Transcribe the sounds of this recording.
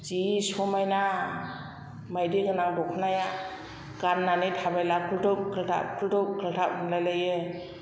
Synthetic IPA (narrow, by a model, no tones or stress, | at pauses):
zisɔmajna | majdiɡɯnaŋdɔkʰɯnaja | ɡ̥anːanitʰabajlakʰultɯp̚kʰɯltʰa̰kʰultɔp̚kʰɯltʰap̚ɯŋlajlajɯ